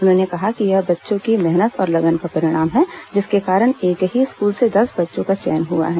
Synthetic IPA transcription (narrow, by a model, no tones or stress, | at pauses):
ʊnɦõːnekɐɦakijɐɦbɐtːʃõkimɛɦnət̪ɔːɾlɐɡənkapɐɾɪɽ̃aːmɦɛ̃d͡ʒɪskekaːɾəɽ̃eːkɦiɪskuːlsed̪ɐsbɐtːʃõkat͡ʃɛ̰ːnɦua̰ɦɛː